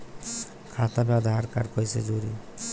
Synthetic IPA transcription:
kʰat̪abad̪ʱaɦaɾkaɾkɔjsed͡ʒoɾi

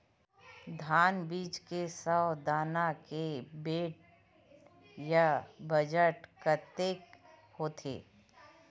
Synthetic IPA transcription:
d̪ʱaːnbiːt͡ʃkesəwd̪aːnakebeːʈ̚ | jabəd͡ʒəʈkət̪eːk | hoːt̪ʰḛː

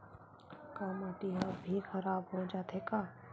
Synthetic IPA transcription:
kamaʈiɦɐbʱixɐɾaːbɦod͡ʒaːt̪ɦekaː

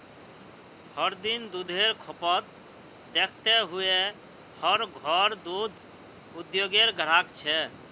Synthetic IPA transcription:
həɾd̪ind̪ud̪ʱeɾkʰopət̪ | d̪ekʰt̪eɦue | həɾɡʱɔɾd̪ud̪ʱ | ud̪joɡeɾɡʱəɾ̤akt͡ʃʰɛ

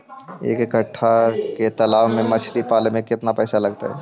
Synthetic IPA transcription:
ḛːkɪkəʈʰːaket̪ɐlaːʋmẽmɐt͡ʃʰlipaːlemẽkɪt̪napɛːsalɐɡt̪a̰ɦɛ̰ː

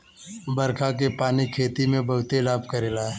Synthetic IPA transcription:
bɐɾkʰak̬epaːnikʰeːt̪imẽbɐɦʊt̪elaːbkɐɾelaː

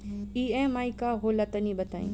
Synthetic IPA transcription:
iːẽːmaːikaɦolɐt̪ənĩbət̪aːḭ̃ː

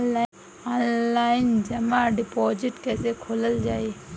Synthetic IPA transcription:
a | aːnlaːɪnd͡ʒɐmaɖɪpoːd͡ʒɪʈkɛːsekʰoːləld͡ʒaːe

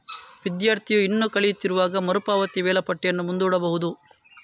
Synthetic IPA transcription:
ʋid̪jaːɾt̪ʰijuinːukɐɭijut̪ːiɾuʋaːɡɐmɐɾupaːʋɐt̪iʋɛːlɐpɐʈːɛjɐnːumund̪uːɽɐbɐɦud̪u

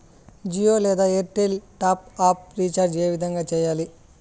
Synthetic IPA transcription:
d͡ʒijoːleːðaeɾʈelʈaːp̚aːp̚ɾiːt͡ʃaːɾd͡ʒeːʋid̪ɐŋɡɐt͡ʃɛjaːli

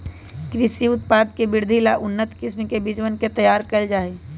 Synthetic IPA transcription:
kɾɪsiʊt̪̚paːd̪kebɪɾd̪ʱilaʔʊnːət̪kɪsmikebɪd͡ʒwənket̪əjaːɾkəld͡ʒaːi

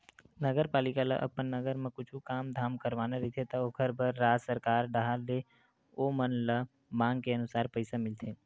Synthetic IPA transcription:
nəɡəɾpaːlɪkalə̰ʔɐ̰pənːəɡəɾmẽkʊt͡ʃʰukaːmd̪ʱaːmkəɾʋaːnaɾiit̪ʰet̪ɐokʰəɾbʱəɾːaːsəɾkaːɾɖaɦald̪e | oːmənlə | mãːŋɡkeənʊsaːɾpəɪsamɪlt̪ʰeː

